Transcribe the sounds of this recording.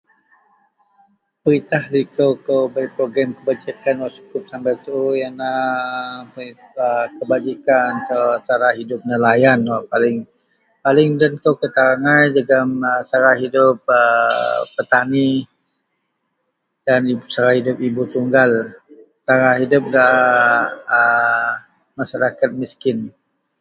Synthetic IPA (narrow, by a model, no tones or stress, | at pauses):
pəɾit̪ahlikəwkəwbajpɾoɡɾamkəbat͡ʃikanwat͡ʃu̥kʊp̚sambat̪jana | əkəbad͡ʒikant̪asaɾahidʊp̚nəlajanwapalɪŋ | palɪŋdənkawkət̪aɾaŋajd͡ʒəɡaməsaɾaɦidʊp̚əpːət̪ani | danit͡ʃaɾahidʊp̚ibut̪uŋɡal | t͡ʃaɾaɦidʊp̚la | ə | maʃaɾakat̪̚miskɪn